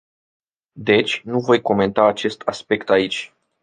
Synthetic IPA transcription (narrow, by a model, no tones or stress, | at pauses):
d̪e̞t͡ʃʲnuvo̞jko̞me̞nt̪aːt͡ʃe̞st̪ʰaspe̞kt̪ait͡ʃʲ